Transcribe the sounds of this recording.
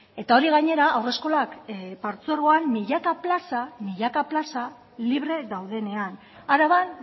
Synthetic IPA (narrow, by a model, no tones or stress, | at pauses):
e̞t̪ao̞ɾiɣ̞aɲe̞ɾaawre̞sko̞lakpaɾt͡suɾɣo̞anːiʎakaplasamiʎakaplasa | liβ̞ɾe̞ðawð̞e̞ne̞an | aɾaβan